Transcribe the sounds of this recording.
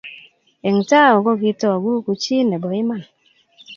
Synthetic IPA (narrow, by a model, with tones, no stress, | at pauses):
e˨ŋ̩˨taː˦˨o˨ɡo˦k̬i˦tɔ˦˨ɡu˦ku˨t͡ʃiː˦ne˨bɔ˨i˦ma˦˨n